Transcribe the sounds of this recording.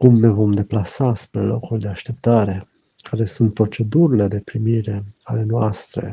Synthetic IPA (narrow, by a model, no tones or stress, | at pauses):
kumne̞vo̞md̪e̞plasaspɾḛlo̞̰kuld̪e̞aʃt̪e̞p̚t̪aɾe̞ | kʰaɾe̞sunt̪̚pɾo̞t͡ʃe̞d̪uɾile̞d̪e̞pɾimiɾe̞ale̞noast̪ɾe̞̰